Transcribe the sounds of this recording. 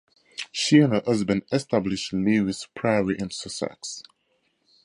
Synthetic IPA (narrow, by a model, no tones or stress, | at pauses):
ʃiə̃nəʔʌzbə̃nɛstablɪʃtliɪspʰɹ̥aɪɹiʔɛ̃nsəsɛ̰ks